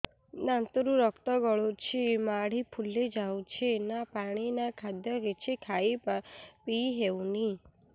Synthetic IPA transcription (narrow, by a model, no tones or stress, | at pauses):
nant̪ɔɾũɾɔkt̪ɔɡɔɭot͡ʃʰimaɽ̤ipʰulːed͡ʒawt͡ʃʰenapaɽ̃inakʰad̪jɔɡet͡ʃʰikʰaipapiɦeuni